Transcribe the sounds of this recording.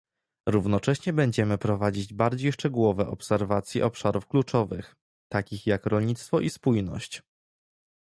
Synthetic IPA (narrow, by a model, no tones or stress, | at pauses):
ɾuvnɔt͡ʂɛɕɲɛbɛɲd͡ʑɛmɘpɾɔvad͡ʑid͡ʑbaɾd͡ʑejʂt͡ʂɛɡuwɔvɛʔɔpsɛɾvat̪sʲjiʔɔpʂaɾufklut͡ʂɔvɘx | t̪akʲixjakɾɔlɲit̪st̪fɔʔispujnɔ̰ɕt͡ɕ